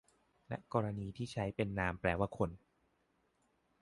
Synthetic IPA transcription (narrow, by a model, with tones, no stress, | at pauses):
lɛ̰˦˥ʔkɔː˧ɾa˧niː˧t̪ʰiː˥˩t͡ɕʰa˦˥jpe˧nːaː˧mpɾɛː˧waː˥˩kʰo˧n